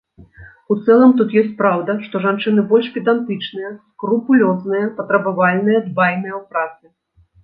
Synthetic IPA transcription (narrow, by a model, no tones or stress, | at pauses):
ut̪sɛlˠɐmt̪ut̪jɔsʲt͡sʲpɾawd̪ɐʂt̪ɔʐant͡ʂɨnɨbɔlʲʂpʲid̪ant̪ɨt͡ʂnɨjɛskɾupulʲɔznɨjɐpɐt̪ɾɐbavalʲnɨjɐd̪bajnɨjɛwpɾat̪sɨ